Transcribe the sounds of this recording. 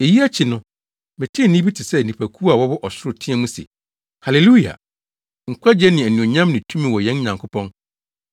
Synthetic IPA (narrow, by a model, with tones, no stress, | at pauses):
e˨ji˦a˦t͡ɕʰɪ˨nʊ̃˦ | mɪ̃˨tʰɪ̃˦˨nĩ˦bi˦tʰɪ˨sɛ˦˨nĩ˨pʰæ˨kʰu˦a˨wɔ˦bʊ˦ʔɔ˨sɪ˦ɾʊ˨tʰɪ̃˦ɛ˦mũ˦sɛ̰˨ | ha˨le˨lu˦ja̰˨ | ŋ̩˨kʷʰa˦d͡ʑɛ˦nɪ̃˨æ˨nĩ˨o˨ɲã˦mnɪ̃˨tʰũ˦mĩ˨wɔ˨jɛ̃˦n˦ɲã˨ŋkʰʊ˦pʰɔ̃˦n